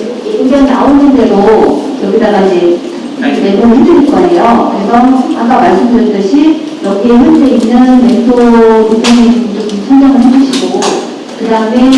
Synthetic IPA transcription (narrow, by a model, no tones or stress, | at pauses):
eiŋɡʌŋnaonɯnde̞ɾo | jʌɡidaɡaid͡ʑe̞ | nenoɡɯɭɦedɯɾinkʌɦejokɯɾe̞sʰʌak͈amaɭs͈ɯmdɯɾʌt͈ɯɕʰi | jʌɡʰinɯndeinːɯnme̞ntʰoutʰaŋed͡ʑot͡ɕomsʰʌŋd͡ʑaŋɯɭɦed͡ʑɯɕʰiɡo | kɯdaɯme